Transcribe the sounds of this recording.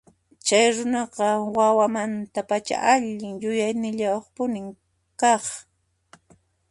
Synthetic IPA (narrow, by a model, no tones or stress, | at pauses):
t͡ʃajɾʊnɑqɑwawamant̪apat͡ʃa̰ʔaʎɪŋjʊjajnɪʎawɑχpʊnɪŋ | kɑχ